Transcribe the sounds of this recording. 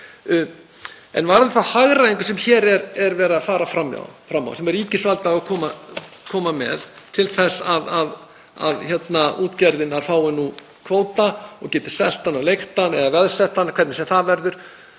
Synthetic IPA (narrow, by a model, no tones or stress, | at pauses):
ɛ̰nvaɾðɪθahaɣɾaiŋkʏsɛmçɛːɾɛɾɛɾvɛːɾafaːɾafɾamːa̰wfɾamːa̰wsɛmɛɾiːcɪsvalt̪aɣakʰɔːmakʰɔːmamɛ̰ðt̪ʰɪlθɛsaðað | a̰ðçɛt̪naʔuːt̪cɛɾðɪnaɾ̥faːwɪnːu | kʰvoːwt̪aɔ̰ɣcɛːt̪ɪ̥sɛl̥t̪anawlejxt̪anɛðavɛðsɛht̪ankʰvɛɾt̪nɪsɛmθaðvɛɾðʏɾ̥